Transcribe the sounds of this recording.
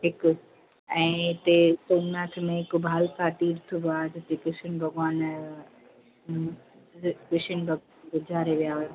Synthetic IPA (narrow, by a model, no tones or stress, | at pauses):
ɦɪk | ɛ̃ːɪt̪et̪oːnaːt̪ʰmẽɦɪkbʱaːlkaːʈ̪iːɾt̪ʰubaːd̪ɪt̪ekɪsɪnbʱɐɡaːn | kɪʃɪnbʱɐɡ | ɡʊd͡ʑʱaːɾeʋijaɦʊe